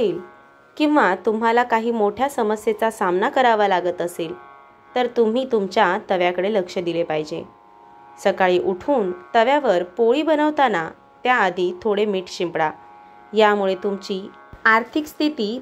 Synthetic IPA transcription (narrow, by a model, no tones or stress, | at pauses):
eːl | kĩw̃ʋat̪um̤alakaɦiːmoʈʰjasəməsjet͡sasamnakəɾaʋalaɡət̪əseːl | t̪əɾt̪um̤iːt̪umt͡ɕjat̪əʋjakəɽeləkʂəd̪ilepaɦid͡ʑḛ | səkaɭiːʔuʈʰuːnt̪əʋjaʋəɾpoɭiːbənəʋt̪ana | t̪jaːd̪ʱit̪ʰoɽemiːʈɕimpɽa | jamuɭet̪umt͡ɕiː | aɾt̪ʰikst̪ʰit̪iː